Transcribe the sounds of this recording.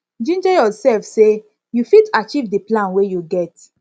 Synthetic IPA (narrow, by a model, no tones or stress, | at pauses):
d͡ʒĩnd͡ʒɛjɔsɛlfse | jufitat͡ʃivdiplãnwejuɡɛt